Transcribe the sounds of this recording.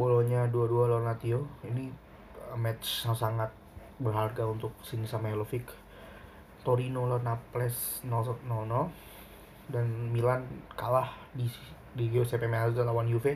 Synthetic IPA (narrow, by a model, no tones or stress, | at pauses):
boloɲaduadualonat̪ioini | mɛt̪t͡ʃːasaŋat̪̚ | bərɦarɡaunt̪ʊk̚sinisamalofik | t̪oɾinolɔnaplɛs | nɔnɔnɔ | danmilankalah | di | diɡeosɛpɛmeasdalawanjufe